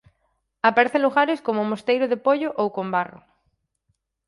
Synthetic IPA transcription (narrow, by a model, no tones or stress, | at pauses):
apaɾeθẽluɣaɾeskomomost̪ejɾoðepoʎoʔowkombaro̰